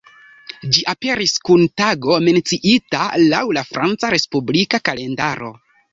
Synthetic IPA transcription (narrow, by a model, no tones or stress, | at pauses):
d͡ʒiʔape̞ɾiskuntaɡo̞me̞nt͡siʔitala̰wlafɾʔant͡saɾe̞spublikakale̞ndaɾo̞̰